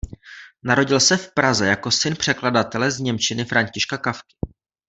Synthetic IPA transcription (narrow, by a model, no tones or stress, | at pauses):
naɾo̞ɟɪlsɛfpɾazɛjako̞sɪnpr̥ɛkladat̪ɛlɛzɲɛmt͡ʃɪnɪfɾaɲcɪʃkakafkɪ̥